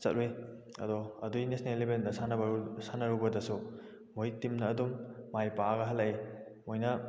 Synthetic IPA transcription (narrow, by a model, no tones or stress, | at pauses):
sɐt̚ʔuj | ɐ̰dɔɐdujnesnelːibendɐsanɐbsanɐɾubɐdɐsu | muitːimnɐːdumːajpaɡɐɦɐlɐi | mojnɐ